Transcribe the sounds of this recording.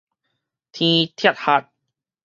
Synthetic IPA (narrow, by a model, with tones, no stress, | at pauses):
t̪ʰĩː˧t̪ʰi˥˩ət̪̚ha˨˧˩t̪̚